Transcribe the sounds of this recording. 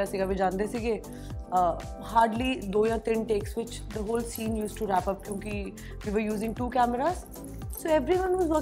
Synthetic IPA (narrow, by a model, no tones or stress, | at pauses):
asiːɡabid͡ʒãːnd̪eːsiɡeː | ə | haːɾɖliːd̪oːjãːt̪ɪnʈeːksʋɪt͡ʃ | d̪əɦoːlsĩːnjuːsʈuɾæːpəp̚kjõːki | ʋiːʋəɾjuːzɪ̃ŋɡʈuːkæːməɾaːz | soːɛʋɾiʋə̃nɦuːzʋɔ